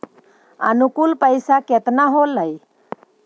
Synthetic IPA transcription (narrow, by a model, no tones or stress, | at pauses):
ə̰nukulpəjsaket̪naɦolːəj